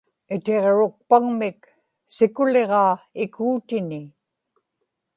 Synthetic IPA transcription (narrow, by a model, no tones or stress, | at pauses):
ɪt̪eʁɻʊk̚paŋmɪk | sɪkʊle̞ʁɑːɪkʰuːt̪ɪnɪ